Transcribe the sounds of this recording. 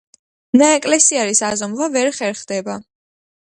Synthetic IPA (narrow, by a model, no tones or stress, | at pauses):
naɛkʼlɛsiaɾisazɔmvavɛɾχɛɾχd̪ɛba